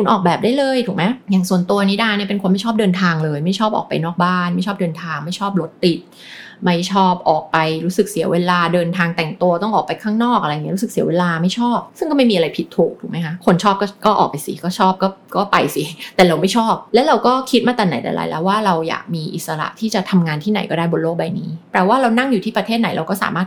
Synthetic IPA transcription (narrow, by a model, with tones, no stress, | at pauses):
kʰu˧nʔɔ̰ː˨˩k̚bɛː˨˩p̚daː˥˩jlɤː˧jt̪ʰuː˨˩mɛ˦˥jaː˨˩ŋsu˨˩ənt̪u˧ɐniː˦˥daː˧˩ni˥˩pe˧nkʰo˧nma˥˩jt͡ɕʰɔː˥˩p̚dɤː˧nt̪ʰaː˧ŋlɤː˧jma˥˩jt͡ɕʰɔː˥˩p̚ʔɔ̰ː˨˩pa˧jnɔː˥˩k̚baː˥˩nma˥˩jʰt͡ɕʰɔː˥˩p̚dɤː˧nt̪ʰaː˧ŋma˥˩jt͡ɕʰɔː˥˩p̚lo˦˥t̪ːi˨˩t̪̚ | ma˥˩jt͡ɕʰɔː˥˩p̚ʔɔː˨˩k̚pa˧jɾuː˦˥sɯ˨˩k̚si˨˩˦ɐwe˧laː˧dɤː˧nt̪ʰaː˧ŋt̪ɛ˨˩ŋt̪u˧ɐt̪ɔ˥˩ŋʔɔː˨˩k̚pa˧jkʰaː˥˩ŋnɔː˥˩k̚ʔa˧ɾa˧jŋi˦˥ɾu˦˥sɯ˨˩k̚si˩˦weː˧laː˧ma˥˩jt͡ɕʰɔː˥˩p̚sɯ˥˩ŋkɔː˥˩ma˥˩jmiː˧a˧ɾa˧jpʰi˨˩t̪ʰːuː˨˩k̚t̪ʰuː˨˩ma˦jkʰa˦˥kʰo˧nt͡ɕʰɔː˥˩p̚kɔː˥˩kɔː˥˩ʔɔ̰ː˨˩k̚pa˧jsḭ˨˦kɔː˥˩t͡ɕʰɔː˥˩p̚kɔː˥˩kɔː˥˩pa˧jsi˨˩˦t̪ɛː˨˩ɾa˧wma˥˩jt͡ɕʰɔː˥˩p̚lɛ˦˥wɾa˧wkɔː˥˩kʰi˦˥t̪̚maː˥˩t̪ɛː˨˩na˩˦jt̪ɛ̰˨˩lʔa̰˨˩˦lɛ̰˦˥waː˥˩ɾa˧wja̰ː˨˩k̚miː˧ʔḭ˨˩t̪sa˧ɾa̰˧˩ʔt̪ʰiː˥˩t͡ɕa˨˩t̪ʰa˧mŋaː˧nt̪ʰiː˥˩na̰˨˩˦jkɔː˥˩daː˥˩jbo˧nloː˥˩k̚ba˧jniː˦˥pɾɛː˨˩waː˥˩ɾa˧wna˥˩ŋjuː˨t̪ʰiː˥˩pɾa˧t̪ʰeː˥˩t̪̚na˩˦jɾʔa˧wkɔː˥˩sa̰ː˩˦maː˥˩t̪̚